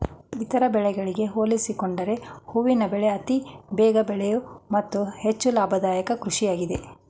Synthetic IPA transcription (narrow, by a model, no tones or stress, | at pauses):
it̪ɐɾɐbɛɭɛɡɐɭiɡe̞ɦoːlisikoɳɖɐɾe̞huʋinɐbɛɭeɐt̪ibɛːɡɐbɛɭɛjumɐt̪ːuhe̞t͡ʃːulaːbʱɐd̪aːjɐkɐkɾuʂijaːɡid̪e̞̰